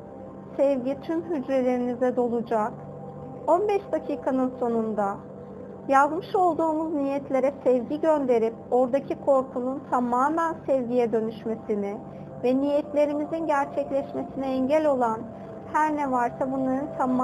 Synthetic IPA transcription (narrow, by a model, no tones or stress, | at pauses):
sɛvɟit̪ʰymɦyd͡ʒɾelʲe̞ɾinizɛd̪o̞lˠud͡ʒak | o̞nbɛʃd̪acʰiːkʰanɯnso̞nund̪a | jazmɯʃo̞lˠd̪uːmuznijɛt̪ʰlʲe̞ɾɛsɛvɟiɟønd̪e̞ɾipo̞ɾd̪acʰikʰo̞ɾkʰununt̪ʰamaːmænsɛvɟijɛd̪ø̞nyʃme̞sinɪ | vɛnijɛt̪lʲe̞ɾimizinɟæɾt͡ʃʰɛclʲɛʃme̞sinɛɛɲɟælʲo̞lˠan | hæɾnɛvaɾsabunlˠaɾɯnt̪ʰam